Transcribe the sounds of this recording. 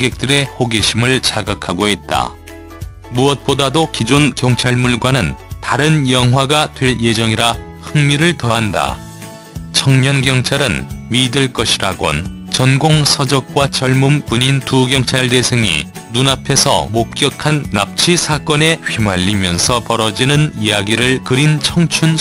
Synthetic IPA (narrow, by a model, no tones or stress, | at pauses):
ɡe̞k̚t͈ɯɾe̞hoɡeɕʰimɯɭt͡ɕaɡakʰaɡoit̚t͈a̰ | muʌt̚p͈odadokid͡ʑonkjʌŋt͡ɕʰaɭmuɭɡwanɯntaɾɯnjʌŋɦwaɡatwe̞lje̞d͡ʑʌŋiɾa | hɯŋmiɾɯɭtʌɦanda̰ | t͡ɕʰʌŋɲʌnɡjʌŋt͡ɕʰaɾɯnɥidɯɭk͈ʌɕʰiɾaɡo̰n | t͡ɕʌnɡoŋsʰʌd͡ʑʌk̚k͈wat͡ɕʌɭmumpuɲintuɡjʌŋt͡ɕʰaɭde̞sʰeŋḭ | nunapʰe̞sʰʌ̰mok̚k͈jʌkʰanːa̰p̚t͡ɕʰisʰak͈ʌne̞ɸimaʎːimjʌnsʰʌpʌɾʌd͡ʑinɯnijaɡiɾɯɭkɯɾint͡ɕʰʌŋt͡ɕʰun